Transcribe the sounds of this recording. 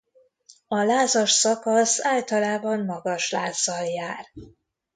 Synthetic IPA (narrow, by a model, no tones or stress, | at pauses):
ɒlaːzɒʃsɒkɒsaːlt̪ɒlaːbɒmːɒɡɒʃlaːzɒljaːr